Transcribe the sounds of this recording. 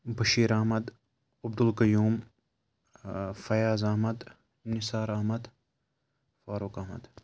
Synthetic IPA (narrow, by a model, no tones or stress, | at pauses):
bɐʃiːɾɐːmɐd̪ | ɐb̚d̪ulkɐjuːm | fɐjaːzaːɦmɐd̪ | nisaːɾaːɦmɐd̪ | faːɾuːkaːɦmɐ̰d̪